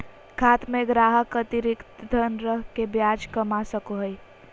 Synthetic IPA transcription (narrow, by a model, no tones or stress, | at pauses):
kʰaːt̪mẽɡɾaːɦəkət̪iɾɪkt̪d̪ʱənɾəɦkebjaːd͡ʒkəmasəkoɦəi